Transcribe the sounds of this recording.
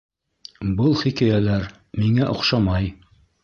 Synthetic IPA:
bɤlˠχikæjælæɾ | miŋæʔŏ̰qʃɑmɑj

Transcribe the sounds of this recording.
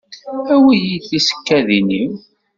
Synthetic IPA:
æwijiθisə̥kːæðiniw

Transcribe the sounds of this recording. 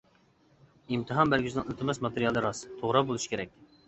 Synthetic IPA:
imt̪ʰɨɦɑnbæɾɡʲyznɨŋylt̪ʰɪmɛsmɑt̪eɾijɑlˠɨɾɑst̪ʰoʁɾɑbolˠuʃi̥kʲʰeɾɛk̚ʲ

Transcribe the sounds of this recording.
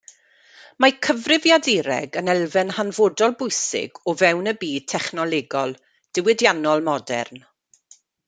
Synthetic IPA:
makʰəvrɪvjadɪɾɛ̰ɡənɛlˠvɛnhanvoːdɔlˠbʊjsɪ̰ɡɔvɛwnəbiːd̚tʰɛχnɔlˠeɡɔlˠ | d̥ɪwɪdjanɔlˠmɔdɛ̰rn

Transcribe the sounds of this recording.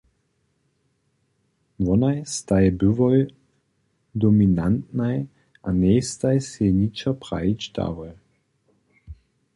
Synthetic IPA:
ʋɔnajst̪ajbɨvɔj | d̪ɔminant̪naj | ʔanʲɛjst̪ajsɛɲit͡ʃapʁa̰it͡ʃd̪a̰vɔj

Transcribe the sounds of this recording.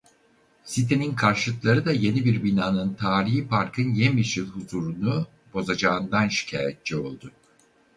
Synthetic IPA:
sit̪ʰe̞ninkʰaɾʃɯlˠɯklˠaɾɯd̪aje̞nibiɾbinaːnɯnt̪ʰaːɾiɦipaɾkʰɯnjemiʃilˠhuzuːɾunu | b̥o̞zad͡ʒaːɯnd̪anʃi̥cʰa̰ːjɛt̪̚t͡ʃɛo̞̰lˠd̪ʊ

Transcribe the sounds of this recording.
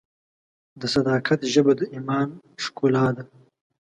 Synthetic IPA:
d̪əsad̪ɑːkʰat̪ʒəbad̪əʔimɑːnʃkulɑːd̪a

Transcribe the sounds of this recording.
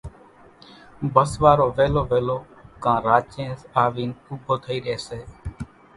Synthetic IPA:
bəsʋaːɾoːʋeːloːʋeːloː | kãːɾaːt͡ʃẽːsaːʋiːnuːbʱoːt̪ʰəiːɾɪeːseː

